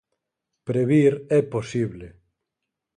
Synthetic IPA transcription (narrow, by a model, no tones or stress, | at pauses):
pɾeβiɾɛposiβle